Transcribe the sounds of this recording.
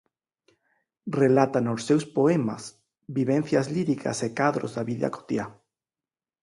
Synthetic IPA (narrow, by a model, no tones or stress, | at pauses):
relat̪anosːewspoema̰s | biβenθjazliɾikʰa̰sekaðɾozðaβiʎa̰ko̥t̪ja